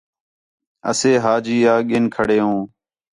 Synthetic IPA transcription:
ə̰seːɦaːd͡ʒiːaːɠɪːnkʰəɽeːɦõː

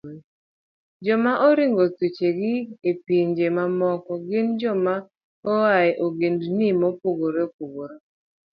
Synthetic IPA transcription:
d͡ʒɔmaʔɔɾiŋɡotit͡ʃeɡɪepiɲd͡ʒemamɔkɔɡɪnd͡ʒɔma | ɔaɛʔoɡendnimɔpoɡoɾep̚oɡoɾo

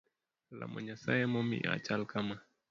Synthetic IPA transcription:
la̰mɔɲasajɛmɔmḭʔa̰t͡ʃalkama

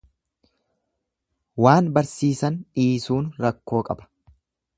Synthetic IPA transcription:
waːnbɐɾsiːsɐnᶑiːsuːnɾɐkːo̞ːkʼɐ̰bɐ̥

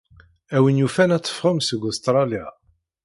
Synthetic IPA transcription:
æwənjufænæt͡sːə̥fʁəmsəɡust̪ɾˤɑlja

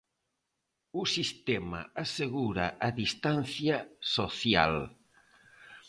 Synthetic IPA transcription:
usist̪ɛma̰aseɣuɾaʔaðist̪an̟θjasoθja̰l

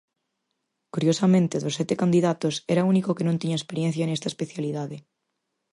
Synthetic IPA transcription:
kuɾjosɐmẽnt̪ɪðosːɛt̪ekand̪iðat̪osɛɾaunikokenõnt̪iɲɐespeɾjɛ̃n̟θjanɛst̪ɐespeθjaliðaðɪ

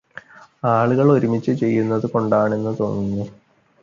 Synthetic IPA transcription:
aːɭuɣɐɭo̞ɾumit͡ɕːɨt͡ɕe̞jːunːɐðɨko̞ɳɖaːɳe̞nːɨt̪o̞ːnːinːɨ

